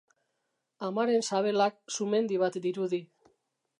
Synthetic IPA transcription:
amaɾe̞nsaβe̞lak̚sume̞nd̪iβ̞at̪d̪iɾuði

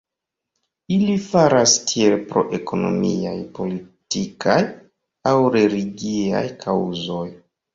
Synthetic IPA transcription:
ilifaɾastʰie̞lpɾo̞̰ʔe̞kʰo̞no̞̰mḭa̰jpo̞litikʰaj | awɾe̞liɡia̰jkʰawzo̞j

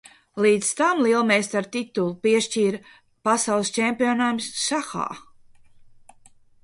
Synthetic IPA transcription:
liːt̪st̪amlˠiɛlˠmɛjst̪aɾt̪it̪ulˠupiɛʃt͡ʃiːɾ | pasawlˠst͡ʃempʲiɔnamsːaxa̰ː

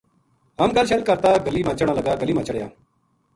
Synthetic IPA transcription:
ɦəmɡəlʃəlkəɾt̪aːɡəliːmãːt͡ʃəɽ̃aːləɡaːɡəliːmãt͡ʃəɽjaː

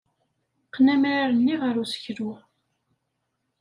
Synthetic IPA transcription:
qːnæmɾaɾənːiʁəɾusə̥çɾʊ

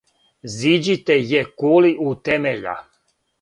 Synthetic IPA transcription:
zid͡ʒit̪ɛjekoliʔut̪ɛmeʎa̰

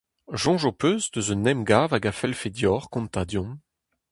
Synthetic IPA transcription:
ʒɔ̃ʒopøːzd̪øzənɛmɡaːvaɡafɛlfed̪jɔːʁkɔ̃nt̪ad̪jɔ̃m

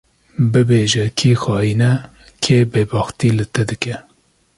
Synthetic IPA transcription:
bɨbeːʒɛkʰiːxɑːjiːnɛ | kʰeːbeːbɑːxt̪iːlɨt̪ɛd̪ɨkɛ

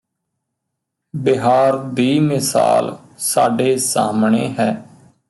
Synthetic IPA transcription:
bɪɦaːɾd̪iːmɪsa̰ːl | sa̰ːɖeːsa̰ːmɳḛːɦɛː

